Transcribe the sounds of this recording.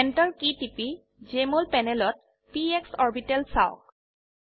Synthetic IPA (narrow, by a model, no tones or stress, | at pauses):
ɛntɔɹkitipi | zemolpɛnɛlɔt̚ | pieksɔɹbitɛlsa̰ʊ̰k̚